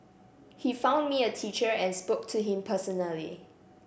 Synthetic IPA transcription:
hifãʊ̃nmiətʰit͡ʃəɹɛ̃nspok̚tʰuɦɪ̃mpʰəsɔnəlḭ

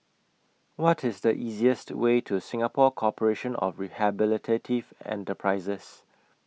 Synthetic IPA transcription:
wɔtʰɪsdəʔiːziəstwetʰusɪ̃ŋəpʰɔkʰɔpəɹeʃə̃nɔ̰fɹihabɪlɪtʰetʰivɛ̰̃ntəpʰɹaɪzəs

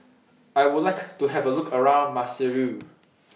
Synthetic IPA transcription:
ajwʊdlajktuɦɛvəlukʰəɹãʊ̃nmasɛɹu

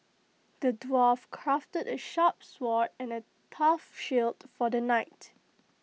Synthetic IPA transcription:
d̥ədwɔfkʰɹaftədəʃap̚swɔtɛ̃nə | tʰafʃiltfɔdənaɪt

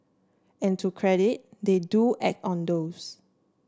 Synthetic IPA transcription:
ɛ̃ntʰukʰɹɛɾit̚deduʔɛk̚tɔ̃ndos

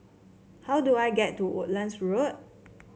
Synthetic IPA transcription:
hawduajɡɛtːuʔo̰ʔ̚lãnsɹot̚

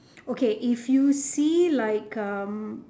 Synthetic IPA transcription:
okʰeʔɪfjusilaɪkʌ̃m

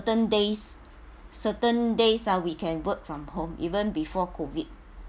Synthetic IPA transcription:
tə̃ndes | sətə̃ndesawikʰɛ̃nwək̚fɹɔ̃mhõmʔḭvə̃nbifɔkʰovit̚

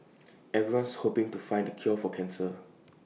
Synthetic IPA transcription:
ɛvɹiwãnshopɪ̃ŋtufãɪ̃ndəkʰɔfɔkʰɛ̃nsə

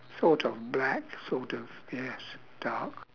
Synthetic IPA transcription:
sɔɹɾʰʌvblæksɔɹɾʌv̥ | ɛs | d̥ɑɹk

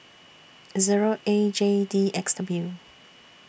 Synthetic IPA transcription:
ziɹoʔed͡ʒediɛksdɔblu

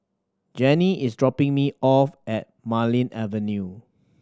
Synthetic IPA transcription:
d͡ʒɛniʔɪsdɹɔpɪ̃ŋmiʔɔfɛt̚malĩnɛvə̃nju

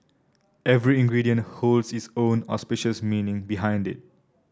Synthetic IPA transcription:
ɛvɹiĩŋɡɹidiə̃ntholdsitsõnɔ̰spiʃəsmĩnɪ̃ŋbiɦãj̃ndɪ̰t̚

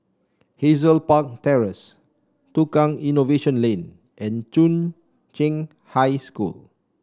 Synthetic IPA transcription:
hezəlpak̚tɛɹəs | tukãŋinoveʃə̃nlẽn | ʔɛ̃nt͡ʃũn | t͡ʃẽŋ | hajskṵl

